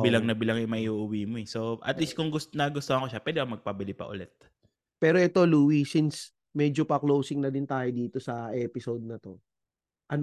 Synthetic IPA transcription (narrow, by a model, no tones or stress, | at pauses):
bɪlɐŋnɐbɪlɐŋɛmɐʔiʔuʔʊwiːmoɛsoʔɐ̰t̪lis̚kʊŋɡʊst̪nɐɡʊst̪ohɐŋkoʃapwɛd̪ɪkɐmɐɡ̚pɐbɪlɪpɐ̰ʔʊ̰lɛt̪̚ | pɛːɾo̞ʔɛt̪o̞luːwisins | mɛd͡ʒopɐklowsɪŋnɐd̪ɪnt̪aːjod̪iːt̪o̞sɐʔɛːpɪsod̪̚nɐt̪o̞ | ʔɐn